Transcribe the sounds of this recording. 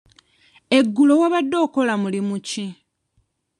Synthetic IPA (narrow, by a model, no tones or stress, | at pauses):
e̞ɡːulo̞waβadːo̞ːko̞lamulimuci